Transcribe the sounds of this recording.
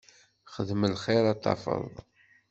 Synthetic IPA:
χəðməlχeɾɑt̪ˤːɑ̰fə̰ðˤ

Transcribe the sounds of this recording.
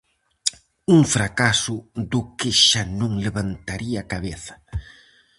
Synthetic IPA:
uŋfɾakasʊðʊkɪʃanũŋleβant̪aɾiɐaːkaβeθɐ̥

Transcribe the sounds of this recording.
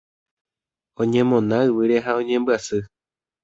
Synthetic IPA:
õɲẽmõnãɨʋɨɾeɦaõɲẽ̞mbɨasɨ

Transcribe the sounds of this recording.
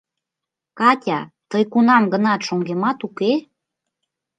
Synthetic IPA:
kɑtʲɑ̰t̪əjkunɑmɡə̆nɑt̪ʃoŋɡemɑt̪uke

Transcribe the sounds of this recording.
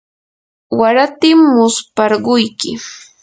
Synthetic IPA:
waɾat̪ɪmːʊspɑɾɢʊjkɪ

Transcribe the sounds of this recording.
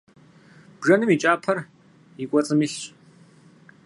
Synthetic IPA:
b̥ʐɐnɨmit͡ʃʼaːpʰɐr | ikʷʼɔt͡sʼɨmiɬɕʼ

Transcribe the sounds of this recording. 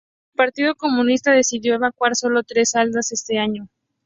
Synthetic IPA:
elpaɾt̪ið̞o̞ko̞mũnist̪aðe̞siðjo̞e̞βakwaɾso̞lo̞t̪ɾe̞sald̪ase̞st̪e̞aɲo

